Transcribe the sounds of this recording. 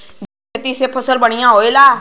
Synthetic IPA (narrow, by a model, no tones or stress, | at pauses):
d͡ʒekʰet̪isepʰəsəlbəɳ̃ijãɦoela